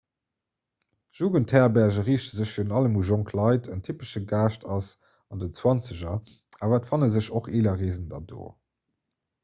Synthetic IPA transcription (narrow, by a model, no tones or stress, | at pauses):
ʒ̥uːɡəntʰɛːɐbæɐʑəʁiːʃtəzəɕfiːənɑləmuʒoŋkʰlɑɪtʰəntʰypəʃəɡaːʃtʰɑs | ɑndət͡swɑnt͡səʑɐ | aːvaːtfɑnəzəɕoχeːlɐʁeːzəndɑdo̰ː